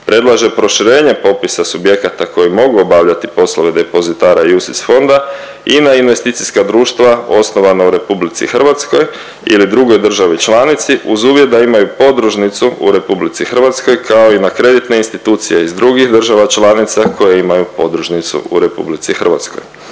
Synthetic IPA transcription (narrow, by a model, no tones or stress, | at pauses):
pɾe̞d̪lˠaʒe̞pɾo̞ʃiɾe̞ːɲe̞po̞pisasubje̞kat̪ako̞jimo̞ɡuobaʋʎat̪ipo̞slˠoʋe̞d̪e̞po̞zit̪aːɾajusisfo̞nd̪a | inainʋe̞st̪it̪siskad̪ɾuːʃt̪ʋao̞sno̞ʋanauɾe̞publit̪sḭxr̩ʋat̪sko̞j | ḭlid̪ɾuɡo̞jd̪r̩ʒaʋit͡ʃlˠaːnit̪siʔuzuːʋjet̪̚d̪aimajupo̞d̪ɾuʒnit̪suṵɾe̞publit̪sixər̩ʋat̪sko̞jkʰao̞inakɾe̞d̪it̪ne̞inst̪it̪uːt̪sije̞izd̪ɾuɡixd̪r̩ʒaʋat͡ʃlˠaːnit̪sakʰo̞jeimajupo̞d̪ɾuʒnit̪sṵṵɾe̞pṵblit̪sixr̩ʋat̪sko̞̰j